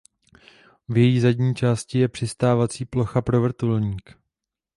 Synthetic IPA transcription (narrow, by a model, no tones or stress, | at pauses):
vjɛjiːzadɟɲiːt͡ʃaːscɪjɛpr̝̥ɪst̪aːvat͡siːplo̞xapɾo̞vr̩t̪ulɲiːk